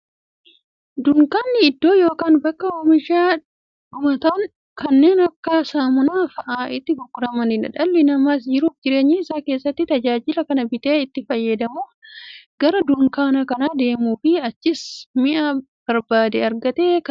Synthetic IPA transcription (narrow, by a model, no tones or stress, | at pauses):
d̪ʊŋkaːnːɪɪd̪ːo̞ːjo̞ːkaːnbɐkːɐoːmɪʃaː | ʊmɐt̪aːn | kɐnːe̞ːnɐkːaːsaːmʊnaːfɐʔaːʔɪt̪ːɪɡʊkːʊɾɐmɐnɪnɐ̰ᶑɐlːɪnɐmaːs̬d͡ʒɪɾuːfd͡ʒɪɾe̞ːɲːɪɪsaːke̞ːsːɐt̪ːɪt̪ɐd͡ʒaːd͡ʒɪlɐkɐnɐbɪt̪eːɪt̪ːɪfɐjːɐd̪ɐmuːɡ̥ɐɾɐd̪ʊŋkaːnɐkɐnaːd̪e̞ːmuːfɪɐt͡ʃːɪsmɪʔa | b̥ɐɾbaːd̪ɛɐɾɡɐt̪eːk